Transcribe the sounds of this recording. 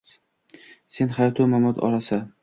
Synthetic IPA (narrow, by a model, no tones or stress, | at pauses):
se̞nhajɒt̪ʰʊmamɒt̪ɒ̰ɾasa